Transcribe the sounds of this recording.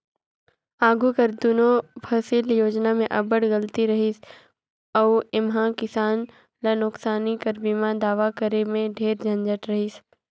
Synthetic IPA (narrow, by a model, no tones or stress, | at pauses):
aːɡukɐɾd̪ʊnopʰɐsɪljoːd͡ʒnamẽʔɐbəɽɡɐlt̪iɾɐɦis | ɔːɪmɦãkɪsaːn | lanʊksaːnikɐɾbiːmad̪aːʋakəɾemẽɖʱeːɾd͡ʒʱɐ̃nd͡ʒəʈɾɐɦis